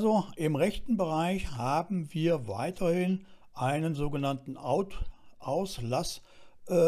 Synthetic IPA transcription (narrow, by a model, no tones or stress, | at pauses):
ʔazoʔɪmʁɛçtn̩bəʁaɪçhaːbm̩viːɐva̰ɪtʰɐhɪn | ʔaɪnənzoːɡənantn̩aʊtʔaʊslasʔɛ